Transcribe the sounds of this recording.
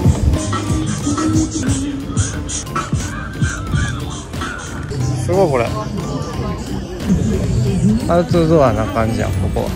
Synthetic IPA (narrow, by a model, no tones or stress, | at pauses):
sɨɡoiko̞ɾḛ | aɯt͡sɨzoβanakãɲd͡ʑia̰koko̰a̰